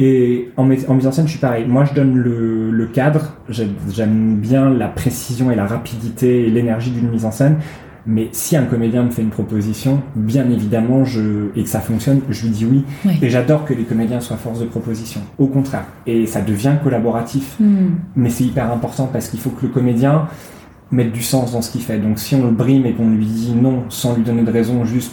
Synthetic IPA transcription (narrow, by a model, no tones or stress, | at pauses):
eɑ̃mɛɑ̃mizɑ̃sɛnʃɥipaʁɛjmwaʒəd̪ɔnlələkʲad̪ʁʒɛʒɛmbjɛ̃lapχesizjɔ̃elaʁapid̪it̪eːlenɛʁʒid̪ynmizɑ̃sɛn | mɛsiɛ̃kɔmed̪jɛ̃məfɛynpχɔpozisjɔ̃bjɛ̃nevid̪amɑ̃ʒəeksafɔ̃ksjɔnʒəlɥid̪iwiweʒad̪ɔʁkəlekɔmed̪jɛ̃swafɔʁsd̪əpχɔpozisjɔ̃okɔ̃t̪χɛ̰ːʁ | esad̪əvjɛ̃kɔlabɔʁat̪ʰifmɛsɛt̪ipɛʁɛ̃pɔʁt̪ɑ̃paʁsə̥kilfokələkɔmed̪jɛ̃ | mɛt̪̚d̪ysɑ̃sd̪ɑ̃sə̥kʲifɛd̪ɔ̃ksiɔ̃ləbʁimekɔ̃lɥid̪inɔ̃sɑ̃lɥid̪ɔned̪əʁezɔ̃ʒyst̪